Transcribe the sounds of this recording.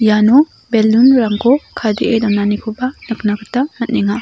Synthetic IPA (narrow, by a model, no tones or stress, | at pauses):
janu | belːunɾaŋkokʰadiʔedananikʰubɐnɯk̚nakɯtamɐt̚niŋa